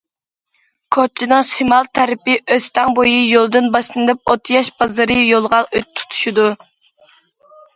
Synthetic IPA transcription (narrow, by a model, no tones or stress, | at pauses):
kʰot͡ʃʰinɨŋʃimɑlˠt̪ʰæɾɪpɪʔøst̪ɛŋbojijolˠd̪ɨnbɑʃlˠɨnd̪ɨp̚ot̪ʰjɑʃbɑzɨɾɨjolˠʁɑnøt̪ʰːu̥t̪ʰu̥ʃud̪u